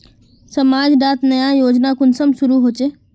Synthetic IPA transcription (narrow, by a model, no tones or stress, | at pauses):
səmaːd͡ʒɖaːt̪nəjajoːd͡ʒnakʊnsəmsʊɾuɦoːt͡ʃeː